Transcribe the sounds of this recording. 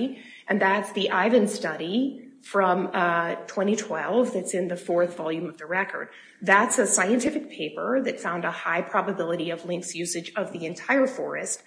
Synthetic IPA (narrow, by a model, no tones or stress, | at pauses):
ʔɨ̃nðætsðiʔaɪvɨ̃nstʌɾifɹʌ̃mtʰw̥ɛ̃ɾ̃itʰw̥ɛlˠvðɨtsɨ̃nðɨfɔɹθvɑlˠjʉ̃mʌvðɨɹɛkə̰˞d̪̥̚ | ðætsɨsaɪɨ̃ntʰɪfɨk̚pʰeɪpə˞ðɨtsãʊ̃ndəhaɪpʰɹ̥ɑbɨbɪlˠəɾiʌvlɪ̃ŋksjʉsɨd͡ʒʌvðiɨ̃ntʰaɪə˞fɔ̰ɹɨ̰st̚